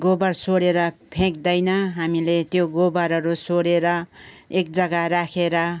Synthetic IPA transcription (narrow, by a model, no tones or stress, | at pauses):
ɡobʌrsoɽeɾʌpʰẽk̚d̪ʌjnʌɦamilet̪joɡobʌɾʌɾusoɽeɾʌek̚d͡zʌɡaɾakʰeɾʌ